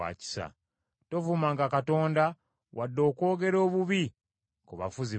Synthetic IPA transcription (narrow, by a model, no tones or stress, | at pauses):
a̰ːci̥sa̰ | to̞vumaːŋɡakato̞ːnda | wʔadːo̞ːko̞ːɡe̞ɾo̞ːβuβi | kuβa̰fuzi